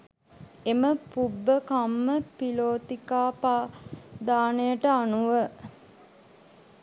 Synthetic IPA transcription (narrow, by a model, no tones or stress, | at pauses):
eməpubːəkamːəpiloːt̪ikaːpaːd̪aːnejəʈəanuʋə